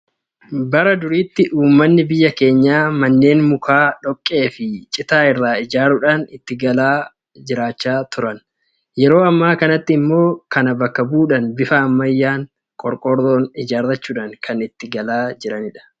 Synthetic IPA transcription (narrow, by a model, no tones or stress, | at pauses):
bɐɾɐd̪ʊɾiːt̪ːɪʔuːmːɐnːɪbɪjːɐke̞ːɲːaːmɐnːe̞ːnmʊkaːᶑɔkʼːe̞ːfɪt͡ʃʼɪt̪aːɪrːaːɪd͡ʒaːɾʊᶑanɪt̪ːɪɡɐlaː | d͡ʒɪɾaːt͡ʃːaːt̪ʊɾɐn | jɛɾo̞ːɐmːaːkɐnɐt̪ːɪːmːo̞ːkɐnɐbɐkːɐbuːᶑɐnbɪfaːmːɐjːaːŋ | kʼɔɾkʼɔɾdoːnɪd͡ʒaːɾɐt͡ʃːuːᶑaŋkʰɐnɪt̪ːɪɡɐlaːd͡ʒɪɾɐnɪᶑɐ̥